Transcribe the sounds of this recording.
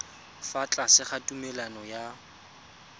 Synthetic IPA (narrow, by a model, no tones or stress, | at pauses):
fat͡ɬʼasɪχatʼumɛlanɔja